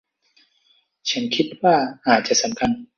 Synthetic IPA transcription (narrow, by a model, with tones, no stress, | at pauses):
t͡ɕʰa˦˥nkʰi˦˥t̪̚waː˥˩ʔaː˨˩t̪̚t͡ɕa˨˩ʔsa˩˦mkʰa˧n